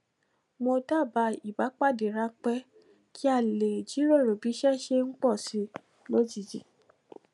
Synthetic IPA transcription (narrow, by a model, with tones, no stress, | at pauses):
mo˧da˦˨ba˧i˨ba˨˦k͡pa˦˨de˨ɾa˧˦k͡pɛ˦ | kʰi˦a˦˨le˨d͡ʒi˨˦ɾo˦˨ɾo˨bi˨˦ʃɛ˦ʃe˧ŋ̩˦k͡pɔ˦˨si˧˦ | nõ˦d͡ʒi˦˨d͡ʒḭ˨